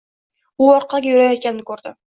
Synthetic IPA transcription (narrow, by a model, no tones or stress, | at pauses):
ʊɒɾqʰɑlˠɡʲajʊɾajt̪̚kʲannɪkʰɵɾd̪ɪ